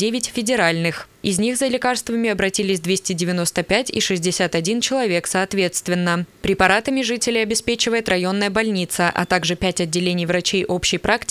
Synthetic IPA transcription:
dʲevʲɪtʲfʲɪdʲɪɾalʲnɨx | ɪzʲnʲixzəlʲɪkarst̪vəmʲɪɐbɾɐtʲilʲɪsʲd̪vʲesʲtʲɪdʲɪvʲɪno̞st̪əpʲætʲḭʂɨzʲdʲɪsʲat̪ɐdʲint͡ɕɪlˠɐvʲe̞ksɐːt̪vʲe̞t̪st̪vʲɪnːəpɾʲɪpɐɾat̪əmʲɪʐɨtʲɪlʲɪjɐbʲɪspʲet͡ɕɪvəjɪt̪rɐjo̞nːəjəbɐlʲnʲit̪səʔɐ̰t̪aɡʐɨpʲætʲɐdʲːɪlʲenʲɪjvɾɐt͡ɕejʔo̞pɕːɪjpɾaktʲ

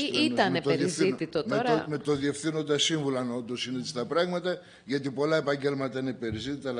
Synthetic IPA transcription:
it̪ɐnet̪eɾɾizit̪it̪otmeɾome̞t̪o̞ðie̞fθino̞nd̪ɐsiɱvulɐno̞nd̪o̞sinet͡si̥t̪ɐpɾɐɣmɐt̪ɐ | ʝɐt̪̬ipo̞lɐe̞pɐɲɟe̞lmɐt̪ɐinepe̞ɾizit̪it̪ɐl

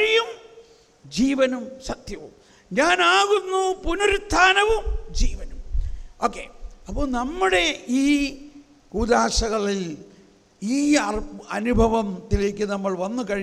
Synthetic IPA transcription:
ɐɻijum | d͡ʑiːʋɐnumsɐt̪jɐʋum | ɲaːnaːɣunːupunɐɾut̪ʰːaːnɐʋumd͡ʑiːʋɐnumo̞ːkːḛːɐpːoːɭnɐmːuɽe̞iː | kuːd̪aːɕɐɣɐɭil | iːɐrɐnubʱɐʋɐmt̪ilek̬ʲːɨnɐmːɐɭʋɐnːukɐɻi

